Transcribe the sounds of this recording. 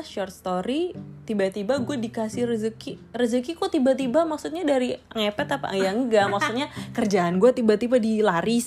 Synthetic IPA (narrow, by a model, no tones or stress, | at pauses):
ʃɔrt̪̚st̪oɾit̪ibat̪ibaɡuadikasɪhrəzəkirəzəkikut̪ibat̪ibamaksut̪̚ɲadaɾiəŋɛpɛt̪apa̰jaŋɡamaksut̪̚ɲakərd͡ʒaanɡuat̪ibat̪ibadilaɾɪs